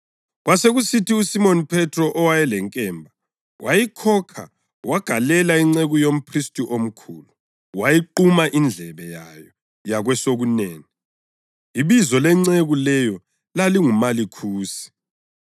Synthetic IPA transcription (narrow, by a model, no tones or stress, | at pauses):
ɣwaseɣusitiusimonipʰɛtʰʼrɔʔɔwajɛlɛŋkʼɛːmbʱa | wʔajikʰɔkʰa̰ | wʔaɡ̥ʱalɛlaiŋ͡ǀeɣujom̩pʰristʼiʔom̩kʰulu | wajiǃumaʔind͡ɮʱɛβɛjajɔ | jaɣwɛsoɣuneːni | iβizɔlɛŋ͡ǀeɣulɛjɔ | laliŋumalikʰuːsi̥